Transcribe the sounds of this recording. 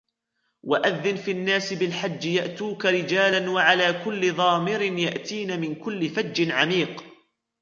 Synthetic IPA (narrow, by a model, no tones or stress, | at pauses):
waʔaðːɪnfinːaːsɪbɪlħad͡ʒːjaʔt̪uːkaɾɪd͡ʒaːlanwaʕalaːkʊlːɪðˤɑːmɪɾɪnjaʔt̪iːnamɪnkʊlːɪfad͡ʒːɪnʕamiːq